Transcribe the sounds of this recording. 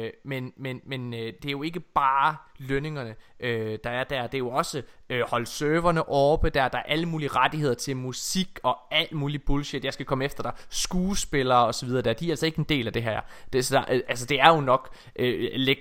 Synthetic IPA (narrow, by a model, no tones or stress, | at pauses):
menmenmend̥e̝æɐjo̝e̝ɡ̥əb̥ɑːløne̝ŋɐnəʔød̥ɑ̈æɐd̥æɐ̰d̥e̝æɐjo̝ɒ̽səøhɒ̽lsøːʋɐnəʔɒːb̥əd̥æɐ̰d̥ɑ̈æɐʔæləmuːliəʁad̥ihe̝ð̞̰ˠɐt͡sʰe̝lmusiɡ̥ɒ̽æl̰d̥muːlib̥ulɕed̥jɑɪsɡ̥ækʰɒ̽məefd̥ɐd̥ɑ̈sɡ̥uːsb̥e̝lɐːɒ̽sɒ̽ʋið̞ˠɐd̥eæɐd̥iɐælsɒ̽e̝ɡ̥əend̥e̝̰ːlæd̥e̝ɦæ̰ɐ̰d̥esɑʔælsɒd̥e̝æɐjo̝nɒ̽ɡ̥ | ʔøleɡ̥